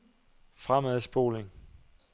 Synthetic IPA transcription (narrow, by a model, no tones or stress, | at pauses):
fʁamæðˠsb̥o̝̰ːleŋ